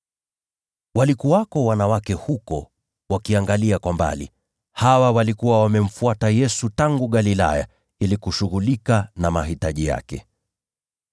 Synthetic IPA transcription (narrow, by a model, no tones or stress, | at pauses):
walikuwakɔwanawakɛhukɔ̰ | wakiaŋɡaliakwamba̰lḭ | hawawalikuwawamɛm̩fuatajɛsutaŋɡuɠalila̰ja̰ | ilikuʃuɣulikanamaɦitaʄija̰kɛ